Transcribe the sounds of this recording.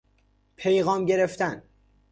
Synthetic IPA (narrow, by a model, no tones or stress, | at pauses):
pʰejɣɒːmɟe̞ɾeft̪æn